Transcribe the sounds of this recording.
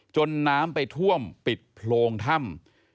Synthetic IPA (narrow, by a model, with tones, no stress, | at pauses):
t͡ɕo˧nːaː˦˥mpa˧jt̪ʰu˥˩əmpi˨˩t̪̚pʰloː˧ŋt̪ʰa˥˩m